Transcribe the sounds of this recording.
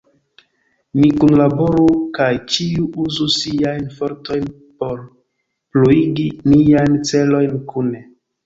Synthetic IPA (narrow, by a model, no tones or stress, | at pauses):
mikunlabo̞ɾukajt͡ʃiuʔuzusiajnfo̞ɾto̞jn | po̞ɾ | pluiɡiniajnt͡se̞lo̞jnkune